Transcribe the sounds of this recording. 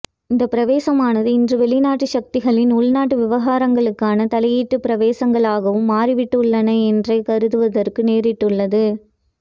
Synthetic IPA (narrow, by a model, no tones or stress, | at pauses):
ɪnd̪ɐpɪɾɐʋeːsɐmaːnɐðɯɪndrɯʋɛɭɪnaːʈːɯʃɐk̚t̪ɪɣɐɭɪnʊɭnaːʈːɯʋɪʋɐɣaːɾɐŋɡɐɭɯkːaːnɐt̪ɐlɐjiːʈːɯpɪɾɐʋeːsɐŋɡɐɭaːɣɐʋɯmːaːɾɪʋɪʈːɯɭːɐnɐɛndrɐɪkɐɾɯðɯʋɐðɐrkɯneːɾɪʈːɯɭːɐðɯ